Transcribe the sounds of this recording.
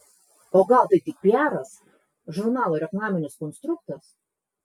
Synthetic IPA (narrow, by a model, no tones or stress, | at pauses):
oːɡɑˑlˠt̪ɐɪt̪ʲɪk̚pʲiæːɾɐs | ʒʊɾnɑːlˠoɪɾʲɛk̪nɑːmʲɪnʲɪskɔnst̪ɾʊk̚t̪ɐs